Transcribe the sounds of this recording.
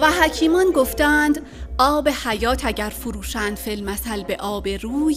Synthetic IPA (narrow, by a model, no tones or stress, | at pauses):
væɦæcʰiːmɒnɡoft̪ænd̪ | ɒːbe̞hæjɒːt̪ʰæɟæɾfoɾuːʃænd̪felmæsælbe̞ʔɒːbe̞ɾuːj